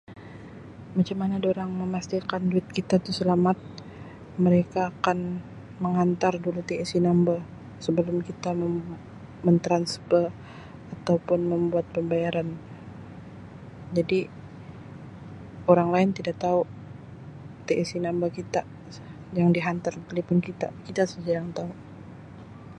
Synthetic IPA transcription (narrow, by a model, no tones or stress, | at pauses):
mat͡ʃamanadoɾaŋməmast̪ikanduɪt̪̚kit̪at̪usəlamat̪̚ | məɾekaːkan | məŋant̪ardulut̪eɛsinamba | səbəlʊmkit̪amə | mənt̪ɾanspər | at̪awpʊnməmbuat̪̚pəmbajaɾan | d͡ʒadi | oɾaŋlaɪnt̪idakt̪au | t̪eʔɛsinambakit̪a | jaŋdiɦant̪arbalipʊnkit̪a̰kit̪asud͡ʒajaŋt̪au